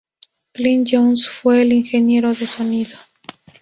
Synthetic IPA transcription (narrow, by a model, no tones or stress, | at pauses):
blind͡ʒonsfweːliŋxenje̞ɾoðesoniðo